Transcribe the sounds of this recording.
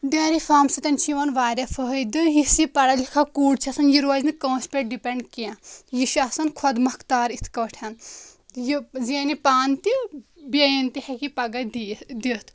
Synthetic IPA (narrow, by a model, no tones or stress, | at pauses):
d̪ɐːɾifaːmsɐt̪ɐnt͡ʃʰiʋɐnʋaːɾʲɐfəɦjd̪ɨɦisipɐɽɐlikʰakuːɖt͡ʃʰɐsɐnjiɾuʋaːznikɐ̃ːspeʈ̚ɖipeɳɖkiãjiʃɐsɐnkʰɐd̪mɐkt̪aːɾit̪ʰkɐʈʰɐnjizenipaːnt̪ibɐjint̪ihekipɐɡɐd̪d̪it̪ʰ